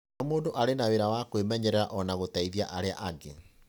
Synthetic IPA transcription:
amoːndoʔaɾenaweɾawakowemɛɲɛɾɛɾaʔɔnaɣotaiðiaʔaɾea̰ʔaɡe

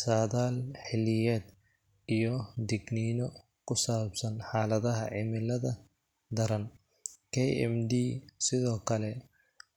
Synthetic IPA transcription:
saːðaːlħɪlɪjɛːd̪ | ijɔd̪ɛɡninɔ | kʰʊsaːbsɐnħaːlɐðɐɦɐʕɪmɪlɐðɐ | d̪ɐɾɐn | kʰɛjɛ̰md̪iːsɪðɔːkʰɐlɛ

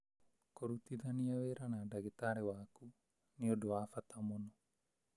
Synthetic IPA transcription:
koɾut̪iðaniaweɾanadaɡet̪aɾewaːku | niodoafat̪ʰamono

